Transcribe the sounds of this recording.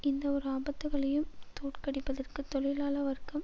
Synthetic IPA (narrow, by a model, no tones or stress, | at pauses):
ɪnd̪ɐɔɾɯaːbɐt̪ːɯɣɐɭɐjɯmt̪oːʈkɐɽɪpːɐðɐrkɯt̪ːɔɭɪlaːlɐʋɐɾkɐm